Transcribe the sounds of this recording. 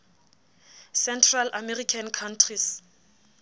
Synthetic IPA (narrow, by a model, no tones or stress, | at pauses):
sɛntʰralamɛrikʰankʰantʰris